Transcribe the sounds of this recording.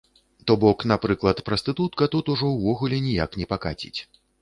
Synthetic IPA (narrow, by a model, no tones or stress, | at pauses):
t̪ɔbɔknapɾɨklˠɐt̪pɾɐst̪ɨt̪ut̪̚kɐt̪ut̪uʐɔwvɔɣulʲɛnʲijaknʲɛpaka̰t͡sʲḭt͡sʲ